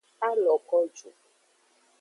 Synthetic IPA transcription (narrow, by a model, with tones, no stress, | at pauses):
a˦lɔ˨kɔ˦d͡ʒu˨